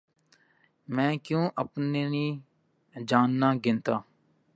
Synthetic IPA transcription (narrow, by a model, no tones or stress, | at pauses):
mɛ̃ːkjõːʔəpneːniː | d͡ʒaːnːãːɡɪnt̪aː